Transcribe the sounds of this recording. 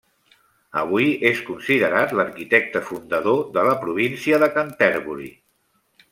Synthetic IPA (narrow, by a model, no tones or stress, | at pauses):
ə̰β̞uieskunsiðəɾat̪ləɾkit̪ɛk̚t̪əfund̪əðoðələpɾuβ̞insiəðəkənt̪ɛɾβuɾḭ